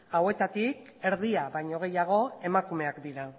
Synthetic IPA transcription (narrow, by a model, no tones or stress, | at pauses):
awe̞t̪at̪ik | e̞ɾðiaβajɲo̞ɣ̞e̞jaɣ̞o̞e̞makume̞akd̪iɾa